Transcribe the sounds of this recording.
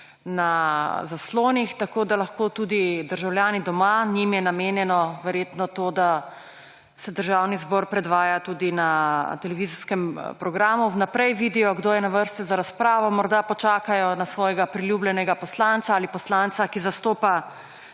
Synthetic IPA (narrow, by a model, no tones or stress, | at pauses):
nazasloːnixt̪akoːd̪alaxkot̪uːd̪id̪əɾʒawlʲjaːnid̪ɔmanimjɛnameːnjɛnɔʋɛɾjeːt̪nɔt̪oːd̪a | sɛd̪əɾʒawnizbɔɾpɾɛd̪ʋaːjat̪uːd̪inat̪ɛlɛʋizɔskɛmpɾɔɡɾaːmuwnapɾɛjʋid̪ijɔɡd̪oːjɛnaʋəɾst̪izaɾaspɾaːʋɔmɔɾd̪apɔt͡ʃaːkajɔnasʋɔːjɛɡapɾiljuːblɛnɛɡapɔslant̪saaːlipɔslant̪sakizast̪oːpa